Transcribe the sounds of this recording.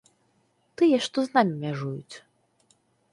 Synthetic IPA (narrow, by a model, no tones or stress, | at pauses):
t̪ɨjɛʂt̪ɔznamʲimʲaʐujṵt͡sʲ